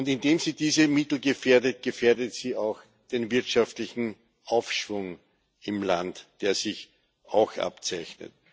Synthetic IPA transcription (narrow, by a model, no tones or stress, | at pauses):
ʊntɪndeːmziːdiːzəmɪtl̩ɡəfeːɐdət̚ɡ̥əfeːɐdətsiːaʊx | d̥eːnvɪɐtʃaftlɪçn̩ | ʔaʊfʃv̥ʊŋ | ɪmlantd̥eːɐzɪç | ʔa̰ʊxʔa̰pt͡sæɪçnə̰t̚